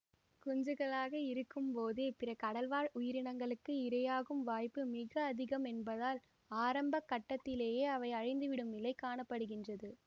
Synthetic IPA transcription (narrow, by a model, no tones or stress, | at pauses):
kʊɲd͡ʒɯɣɐɭaːɣɐɪɾɯkːɯmpoːðeːpɪɾɐkɐɽɐlʋaːɻʔʊjɪɾɪɳɐŋɡɐɭɯkːɯɪɾɐjaːɣɯmʋaːjpːɯmɪɣɐːðɪɣɐmɛnbɐðaːl | aːɾɐmbɐkːɐʈːɐt̪ːɪleːjeːɐʋɐɪɐɻɐɪnd̪ɯʋɪɽɯmɪlːɐɪkːaːɳɐpːɐɽɯɣɪndrɐðɯ